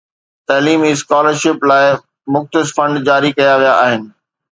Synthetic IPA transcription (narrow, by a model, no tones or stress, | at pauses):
t̪ɐːliːmiskaːləɾʃɪplaːɪ | mʊxt̪ɪsfɐ̃ɳɖd͡ʑaːɾikɐjaʋijaʔaːɦɪnɪ̆